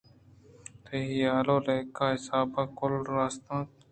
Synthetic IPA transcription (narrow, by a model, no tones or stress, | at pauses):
t̪ʰeːɦiːaːloːleːkːaːɦɪsaːbaːkʊlɾaːst̪ãː